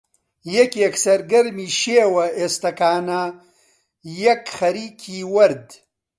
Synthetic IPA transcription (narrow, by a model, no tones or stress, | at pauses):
jɐkeksɐɾɡɐɾmiːʃeːwɐeːst̪ɐkaːna | jɐkxɐɾiːkʰiːwɐɾd̪